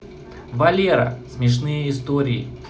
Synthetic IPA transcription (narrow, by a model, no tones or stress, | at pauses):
vɐlʲeɾə̰smʲɪʂ̬nɨjəɪst̪oɾʲɪː